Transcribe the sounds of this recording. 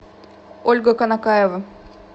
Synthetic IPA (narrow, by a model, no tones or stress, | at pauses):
olʲɡəkənakajevə